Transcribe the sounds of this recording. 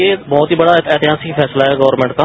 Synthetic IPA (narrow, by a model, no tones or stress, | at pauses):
eːbɔːt̪ɦiːbɐɽaet̪ɛːt̪ɪɦaːsɪkfʰɛːslaɦɛːɡɔːɾmɛ̃ːɳʈka